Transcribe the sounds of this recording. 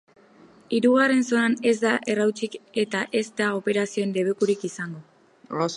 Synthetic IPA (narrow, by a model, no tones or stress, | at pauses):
iɾuɣ̞are̞nso̞nane̞zd̪aʔe̞rawt͡ʃike̞t̪aʔe̞zd̪ao̞pe̞ɾasio̞end̪e̞βekuɾikisaŋɡo̞